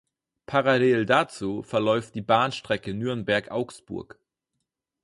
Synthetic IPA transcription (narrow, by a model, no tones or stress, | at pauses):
pʰaʁaleːldat͡suːfɛɐlɔʏft̚d̥iːbaːnʃtʁ̥ɛkənyːɐnbɛɐkʔaʊksb̥ʊ̰ɐk